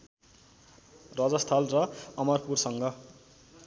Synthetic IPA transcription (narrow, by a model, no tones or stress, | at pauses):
rʌd͡zʌst̪ʰʌlrʌʌmʌrpursʌŋɡʌ